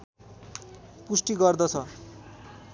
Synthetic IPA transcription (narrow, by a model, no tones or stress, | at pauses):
pusʈiɡʌrd̪ʌt͡sʰʌ